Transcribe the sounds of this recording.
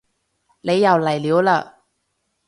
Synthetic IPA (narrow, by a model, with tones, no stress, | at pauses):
le˨˧jːɐ˨˩wlɐ˨˩jliː˨˥wla˨˧˨